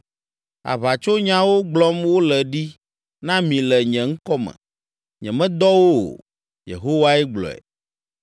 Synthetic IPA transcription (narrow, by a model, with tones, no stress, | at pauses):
a̰˨βa˨t͡ʃo˦ɲã˦wo˦ɡ͡blɔ˦mwo˦lɛ˨ɖi˦ | nã˦mĩ˨lɛ˨ɲɛ̃˨ŋ̩˦kɔ˦mɛ̰̃˨ | ɲɛ̃˨mɛ̃˦d̪ɔ˦wo̰˦˨ | jḛ˨ɦo˦wa˦ɛ˦ɡ͡blɔ̰˨ɛ̰˨